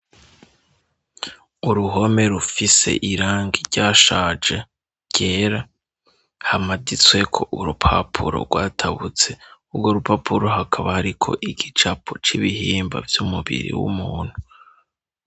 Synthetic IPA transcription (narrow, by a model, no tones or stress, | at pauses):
uɾuɦo̞me̞ɾufise̞̰ʔiɾaːŋɡiɾɟaːʃaːd͡ʒe̞ | ɟ̥e̞ːɾa | hamadit͡swe̞kʰo̞ʔuɾupʰapʰṵɾo̞̰ɾɡwaːtʰaβut͡se̞ubɡoɾupapʰuɾoɦakʰaβahaɾikʰo̞̰ʔiɡ̥it͡ʃapʰot͡ʃiβihiːmba̰vjumuβḭɾḭwṵmuːn̥hu